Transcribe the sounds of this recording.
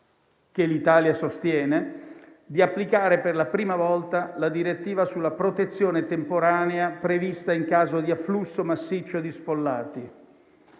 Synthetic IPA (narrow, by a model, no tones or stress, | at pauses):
kelit̪aːljasost̪jɛːne | d̪iapːlikaːɾeperlapɾiːmavɔlt̪alad̪iɾet̪ːiːvasulːapɾot̪et̪sːjoːnet̪empoɾaːneapɾevist̪aiŋkaːzod̪iafːlusːomasːit͡ʃːod̪isfolːa̰ːt̪i